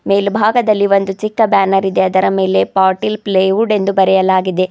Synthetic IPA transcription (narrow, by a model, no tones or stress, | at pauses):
meːlbʱaːɡɐd̪ɐlːiʋo̞nd̪ut͡ʃikːɐbaːnɐɾid̪e̞ɐd̪ɐɾɐme̞ːle̞paːɾʈilpleːjuɖe̞nd̪ubɐɾɛjɐlaːɡid̪e̞